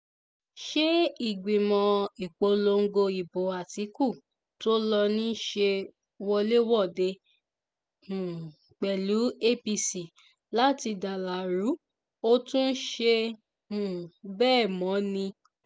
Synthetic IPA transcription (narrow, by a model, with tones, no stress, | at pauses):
ʃe˦i˦˨ɡ͡bĩ˨mɔ̃˨˧i˨k͡po˧lo˧ŋ̩˦ɡo˧i˨bo˨a˨ti˨˦ku˦˨ | to˦lɔ˧nĩ˦ʃe˧ | wɔ˧le˦wɔ˦˨de˧ | hũ˨ | k͡pɛ˨lu˨˦e˦pi˧si˨ | la˦ti˧da˨la˨ɾu˨˦ | o˦tũ˦n̩˦ʃe˧ | hũ˨bɛː˦˨mɔ̃˨˦nĩ˧